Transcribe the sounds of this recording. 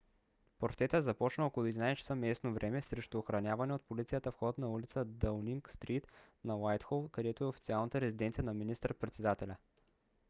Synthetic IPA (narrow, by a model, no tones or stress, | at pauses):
poɾt̪ɾɛt̪əzɐpɔt͡ʃnəokolˠʊɛd̪inajst͡ʃɛ̥səmɛsnovɾʔɛmɛsɾɛʃt̪uːxɾɐnʲavɐnɛot̪̚polit̪sijət̪əfxɔt̪nɐulit̪səd̪əlniŋkst̪ɾit̪nɐlajt̪xolˠkɐd̪ɛt̪oɛofit̪sialˠnət̪əɾɛzid̪ɛnt̪sijənɐminist̪əɾpɾɛt̪sɛd̪at̪ɛlʲə